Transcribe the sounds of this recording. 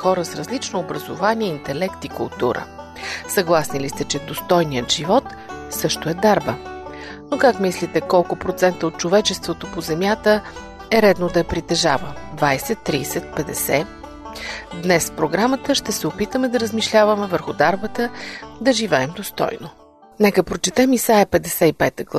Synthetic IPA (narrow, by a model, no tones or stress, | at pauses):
xɔɾəsɾɐzlit͡ʃnoːbɾəzo̰vaniɛint̪ɛlɛkt̪ikʊ̰lˠt̪ṵɾə̰ | sɐɡlˠasnilist̪ɛt͡ʃɛd̪ost̪ɔjnijət̪ʒ̥ivɔt̪ | sɤʃt̪oɛd̪aɾbə | nokakmislit̪ɛkɔlˠkʊpɾot̪sɛnt̪əot̪̚t͡ʃovɛt͡ʃɛst̪vot̪opozɛmʲjat̪ə | ɛɾɛd̪nod̪ɐɛpɾit̪ɛʒavəd̪vajsɛt̪ːɾiːsɛt̪̚pɛd̪ɛsɛ | d̪nɛspɾoɡɾamət̪əʃt̪ɛsɛopit̪əmɛd̪ɐɾəzmiʃlʲavəmɛvəɾxʊd̪aɾbət̪əd̪ɐʒivɛɛmd̪ost̪ɔ̰jno | nɛkəpɾot͡ʃɛt̪ɛmisaɛpɛd̪ɛsɛipɛt̪əɡlˠ